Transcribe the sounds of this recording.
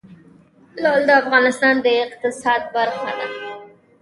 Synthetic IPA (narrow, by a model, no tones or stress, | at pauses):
lɑld̪əafɣɑnɪst̪ɑnd̪əɪqt̪ɪsɑd̪̚baɾxa̰d̪a